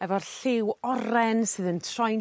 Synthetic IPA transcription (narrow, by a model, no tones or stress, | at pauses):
ɛvɔrɬɪwɔɾɛnsɨːðəntʰrɔj